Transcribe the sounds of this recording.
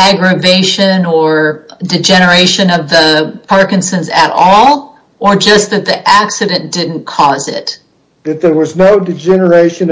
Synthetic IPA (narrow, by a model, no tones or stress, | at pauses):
æɡɹɨveɪʃɨ̃nə˞dɨd͡ʒɛnə˞eɪʃɨ̃nʌvðəpʰɑɹkɨ̃nsɨ̃nzɨɾɔlˠ | ə˞d͡ʒʌst̪̚ðɨt̪̚ðiʔæksɨɾɨ̃nd̥ɪdⁿn̩kʰɔzɪ̰t | ðɨt̪̚ðə˞wʌznoʊdɨd͡ʒɛnə˞eɪʃɨ̃n